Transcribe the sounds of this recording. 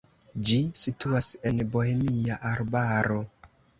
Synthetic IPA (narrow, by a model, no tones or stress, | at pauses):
d͡ʒisituase̞nbo̞emiaʔaɾbaɾo̞